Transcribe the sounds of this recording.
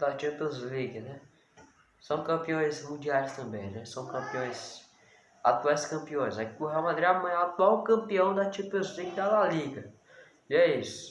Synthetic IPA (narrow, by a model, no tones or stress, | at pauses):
d̪ɐt͡ʃĩpezliɡɪnɛ | sɐ̃w̃kɐ̃piõj̃smũd͡ʒialɪst̪ɐ̃mbẽj̃nɛsɐ̃w̃kɐ̃piõj̃s | at̪uajskɐ̃mpiõj̃zakikʊheamad̪ɾiamɐ̃j̃ɛat̪uawkɐ̃mpiɐ̃w̃d̪ɐt͡ʃĩpozliɡɪd̪alaliɡɐ | iɛisʊ̥